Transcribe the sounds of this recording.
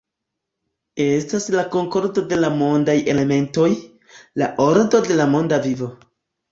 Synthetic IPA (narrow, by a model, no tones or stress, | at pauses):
e̞staslako̞ŋko̞ɾdo̞de̞lamo̞ndaje̞le̞me̞nto̞j | laʔo̞ɾdo̞de̞lamo̞ndavivo̞